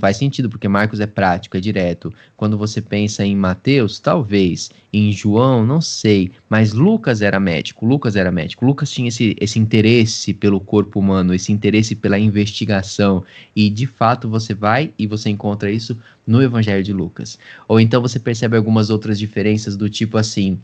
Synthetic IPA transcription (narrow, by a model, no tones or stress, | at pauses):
fajsẽnt͡ʃid̪ʊp̬oɾkemaɾkʊzɛpɾat͡ʃi̥kʊɛd͡ʒiɾɛt̪ʊ | kwɐ̃nd̪ʊvosepẽsɐẽj̃mat̪ewst̪awvejs | ẽj̃ʒuɐ̃w̃nɐ̃w̃sejmɐzlukɐzɛɾɐmɛ̰d͡ʒi̥kʊlukɐzɛɾɐmɛ̰d͡ʒikʊlukɐst͡ʃĩɲɐesɪʔesɪĩnt̪eɾesɪpelʊkoɾpʊumɐ̃nʊesɪĩnt̪eɾesɪpelɐĩvest͡ʃiɡasɐ̃w̃ɪd͡ʒɪfat̪ʊvosevajɪvoseẽŋkõnt̪ɾɐisʊ | nʊevɐ̃ʒɛljʊd͡ʒɪlukɐsowẽnt̪ɐ̃w̃vos̬epeɾsɛbɪawɡũmɐzowt̪ɾɐzd͡ʒifeɾẽsɐzd̪ʊt͡ʃipʊasĩ